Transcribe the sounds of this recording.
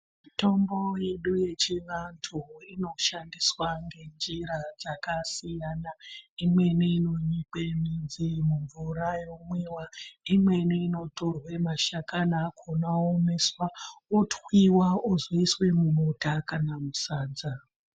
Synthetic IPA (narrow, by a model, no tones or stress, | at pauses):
mito̞mbo̞je̞ɗuje̞t͡ʃiʋantʰuino̞ʃandiswaŋɡe̞nd͡ʒiɾad͡zakasijaːnaimwe̞niino̞ɲikemind͡zimuɱvuɾajomwewaimwe̞niːno̞to̞rwe̞maʃakanakʰonaome̞swaotwiwaozoiswe̞mumotakanamusaːd͡za